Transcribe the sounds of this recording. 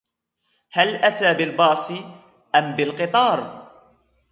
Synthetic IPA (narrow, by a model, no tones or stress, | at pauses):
halʔat̪aːbɪlbɑːsˤɨ | ʔambɪlqɨt̪ˤɑːɾˤ